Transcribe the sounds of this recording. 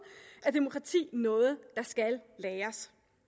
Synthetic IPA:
æɐd̥emo̝kʰʁɑ̈t͡sʰḭːnɔ̽ːð̞̩ˠd̥ɑ̈sɡ̥ælːeːɐs

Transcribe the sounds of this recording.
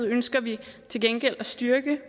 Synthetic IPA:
ð̩̰ˠønsɡ̥ɐʋit͡sʰe̝lɡ̥enɡ̥el̰æsd̥yɐɡ̥ə

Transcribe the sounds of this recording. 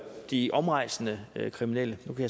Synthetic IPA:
d̥iʔɒ̽mʁɑ̈ɪ̰snəøkʰʁiminel̰ənukʰæja

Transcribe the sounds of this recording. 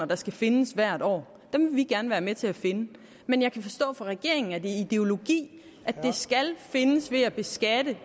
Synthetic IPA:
ɐd̥ɑ̈sɡ̥æfe̝nəsʋæɐ̰ɾ̥ɒ̰ː | d̥emʋe̝ʋiɡ̚ɡ̥æɐnʋæːɐmet͡sʰe̝æfe̝nə | menjɑ̈ɪkʰæfɒ̽sd̥ɔ̰̽ːfɒʁɛɡ̥e̝ɐ̰e̝ŋn̩æd̥eid̥e̝o̝lo̝ɡ̥ḭː | ʔæ̥e̝sɡ̥ælfe̝nəsʋe̝æb̥e̝sɡ̥æd̥ə

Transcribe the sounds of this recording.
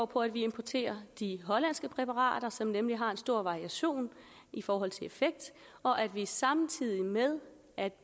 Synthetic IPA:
pʰɒ̽æd̥ʋie̝mpʰɒt͡sʰe̝̰ːɐd̥iɦɒ̽læn̰sɡ̥əpʰʁɛpʰɑ̈ʁɑ̰̈ːd̥ɐsɒ̽mnemliɦɑ̈e̝nsd̥o̝ɐ̰ʋɑ̈ʁiæɕo̝̰ːn | ifɒːɦɒ̽l̰t͡sʰe̝e̝feɡ̥̚d̥ | ɒ̽ʔæd̥ʋisɑ̈mnt͡sʰið̞̰ˠimeð̞ˠ | ʔæd̥

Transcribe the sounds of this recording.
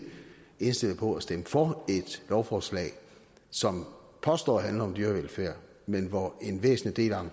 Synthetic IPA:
e̝nsd̥e̝l̰əpʰɒ̽æsd̥eməfɒe̝d̥lɒʊfɒːslɛ̰ːɪ | sɒ̽m | pʰɒ̽sd̥ɒ̰ːɦænlɐɒ̽md̥yːɐʋelfeɐ̰ | menʋɒe̝nʋḛːsn̩lid̥e̝̰ːlɒm

